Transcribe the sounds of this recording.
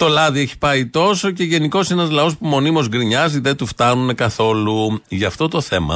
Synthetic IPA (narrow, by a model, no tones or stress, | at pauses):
t̪o̞lɐðieçi̥pɐit̪o̞so̞ce̞ʝe̞niko̞se̞nɐzlɐo̞spumo̞nimo̞zɡɾiɲɐziðet̪uft̪ɐnune̞kɐθo̞luʝɐːft̪o̞t̪o̞θe̞mɐ̰